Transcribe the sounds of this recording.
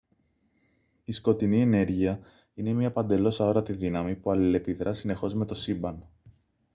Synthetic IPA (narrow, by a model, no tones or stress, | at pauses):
isko̞t̪inie̞ne̞ɾʝiɐ | ine̞mɲɐpɐnd̪e̞lo̞sɐo̞ɾɐt̪iðinɐmipuɐlile̞piðɾɐsine̞xo̞zme̞t̪o̞sibɐn